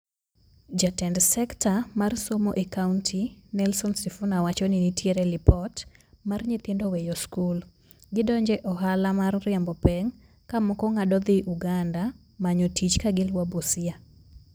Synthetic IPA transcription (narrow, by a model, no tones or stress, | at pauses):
d͡ʒatɛndsɛktʰamarsomoʔekauntʰinɛlsɔnsifunawat͡ʃɔninitjeɾɛlɪpɔtmarɲɪt̪ɪndowɛjɔskul | ɡɪdɔɲd͡ʒɛʔɔɦalamarːɪambɔpɛŋ | kamɔkɔŋadɔd̪ɪʔuɡanda | maɲotit͡ʃkaɡɪlwabosɪa